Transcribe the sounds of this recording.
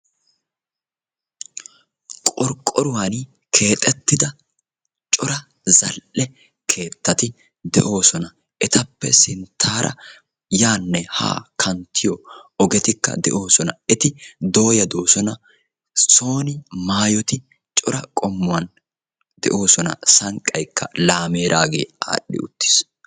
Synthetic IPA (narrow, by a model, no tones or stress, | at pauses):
kʼɔɾkʼːɔɾʊwan | kʰe̞ːt̪ʼɛt̪ːɪd̪ɐ | t͡ʃʼɔɾɐ | zɐlʔɛ | kʰe̞ːt̪ːɐt̪ɪ | d̪ɛʔo̞ːsɔnɐ | ʔɛt̪ʰɐpːɛ̰sɪnt̪ʰːaːɾʔɐ̰ | jaːnːɛha̰ːkʰɐnt̪ʰːɪjɔɔɡɛt̪ɪkːɐ̰d̪ɛ̰ʔo̞ːsɔnɐɛt̪ɪd̪o̞ːjɐd̪o̞ːsɔnɐ | so̞ːnɪmaːjɔt̪ɪ | t͡ʃʼɔɾɐkʼɔmːʊwɐn | d̪ɛ̰ʔo̞ːsɔnɐ̰sɐŋkʼːɐjkːɐ̰laːme̞ːɾaːɡe̞̰ːa̰ːɗːɪ̰ʊt̪ːɪ̥s